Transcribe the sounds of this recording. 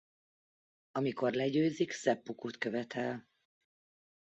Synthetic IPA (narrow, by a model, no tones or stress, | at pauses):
ɒmiko̞rlɛɟøːziksɛpːukuːt̪køvɛt̪ʰɛl